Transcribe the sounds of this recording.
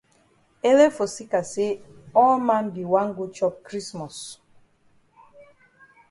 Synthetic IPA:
e˦le˦fo˨si˦ka˨se˦ɔ˦lmã˦nbi˨wã˦nɡu˦t͡ʃɔ˦p̚kɹi˦smɔ˨s

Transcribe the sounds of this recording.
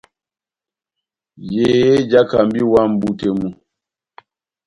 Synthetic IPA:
je˨e˦d͡ʒa˦ka˨m˦bi˦wa˦m̩˦bu˦te˨mu˦

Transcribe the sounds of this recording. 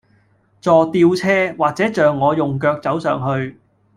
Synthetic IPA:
t͡sɔː˨t̪iː˧wt͡sʰɛː˥waː˨k̚t͡sɛː˨˥t͡ʃœː˨ŋːɔː˨˧jʊ˨ŋk̬œː˧k̚t͡sɐ˨˥wsœ̰ː˨ŋɦɵ˧ɥ

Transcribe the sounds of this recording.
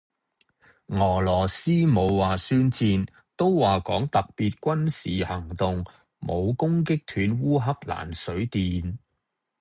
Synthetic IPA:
ŋɔː˨˩lɔː˨˩siː˥mo˨˧wːaː˨syː˥nt͡siː˧n | t̪o˥wwaː˨kɔː˨˥ŋt̪ɐ˨k̚piː˨t̚kʷɐ˥nsiː˨hɐ˨˩ŋt̪ʊ˨ŋ | mo˨˧wkʊ˥ŋk̬ɪ˥k̚t̪ʰyː˨˧nwuː˥ɦɐ˥k̚la̰ː˨˩nsɵ˨˥ɥt̪iː˨n

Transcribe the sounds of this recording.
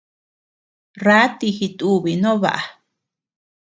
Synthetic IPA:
ra˦t̪i˧hi˧t̪u˧βi˨nõ˦βa̰˧ʔa˨

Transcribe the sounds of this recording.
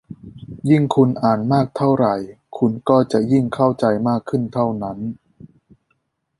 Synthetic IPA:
ji˥˩ŋkʰu˧nʔaː˨˩nmaː˥˩k̚t̪ʰa˥˩wɾa˨˩j | kʰu˧nkɔː˥˩t͡ɕa˨˩ʔji˥˩ŋkʰa˥˩wt͡ɕa˧jmaː˥˩kʰːɯ˥˩nt̪ʰa˥˩wna˦˥n

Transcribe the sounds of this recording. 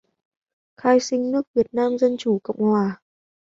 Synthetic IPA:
xaː˧jsï˧ŋ̟nɨ˦˥ək̚vi˨˩ət̚naː˧mzə˧nt͡ɕu˧˩˦kə̰˧˨wŋ͡mhwaː˨˩

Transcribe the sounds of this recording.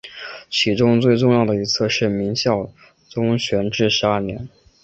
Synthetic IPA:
t͡ɕʰi˧˥ʈ͡ʂʊ˥ŋt͡swe˥˧ɪʈ͡ʂʊ˥˧ŋjɑ˥˩ʊd̪ə˩i˧˥t͡sʰɤ˥˧ʂɻ̩˥˩mi˧˥ŋɕjɑ˥˩ʊ | t͡sʊ˥ŋɕɥɛ˧˥nʈ͡ʂɻ̩˥˩ʂɻ̩˧˥a˞˥˩njɛ˧˥n

